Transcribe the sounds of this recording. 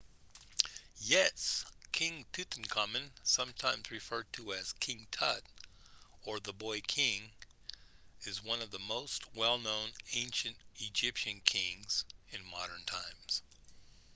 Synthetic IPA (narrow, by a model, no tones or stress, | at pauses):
jɛskʰɪ̃ŋtʰʉθn̩kʰɑmɨ̃nsʌ̃mtʰãɪ̃mzɹɨfɜ˞d̚tʰɨɨz̥kʰɪ̃ŋtʰʌɾ | ə˞ðəbɔɪkʰɪ̃ŋ | ɨzwʌ̃nʌvðəmoʊst̚wɛlˠnõʊ̃nẽɪ̃nʃɨ̃ntɨd͡ʒɪpʃɨ̃nkʰɪ̃ŋz̥ɨ̃nmɑ̰ɾə̃˞ntʰãɪ̃mz̥